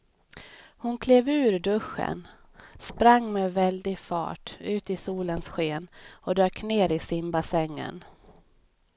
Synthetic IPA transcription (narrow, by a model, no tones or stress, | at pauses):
hʊnkʰleːvʉ̟ːɾɖɵɧə̰n | spɾaŋːmɛːvɛld̪ɪɡfɑ̰ːʈʉ̟ːt̪ɪsuːlənsɧeːnɔd̪øːkneːɾɪsɪmbasɛŋːə̰n